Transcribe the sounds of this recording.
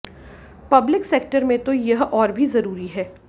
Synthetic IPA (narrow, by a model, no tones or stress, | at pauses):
pɐblɪkseːk̚ʈəɾmẽt̪ojɐɦɔːɾbʱizɐɾuːɾiɦɛː